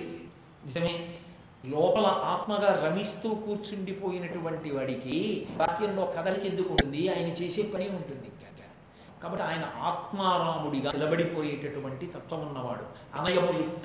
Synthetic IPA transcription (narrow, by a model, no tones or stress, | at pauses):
nizɐmeː | lɔːpɐlɐʔaːt̪mɐɡaːɾɐmist̪uːkuːɾt͡ʃuɳɖipo̞ːjinɐʈuʋɐɳʈiʋaːɽikibaːt̪jɐmlo̞ːkɐd̪ɐlikend̪ukuɳʈund̪iaːjɐnɐt͡ʃeːseːpɐniuɳʈund̪iŋkɐɐ | kaːbɐʈːiaːjɐnɐʔaːt̪maːɾaːmuɽiɡaːilɐbɐɽipo̞ːjeːʈɐʈuʋɐɳʈit̪ɐt̪ʋɐʋunːɐʋa̰ːɽṵ | ɐ̰nɐjɐmuli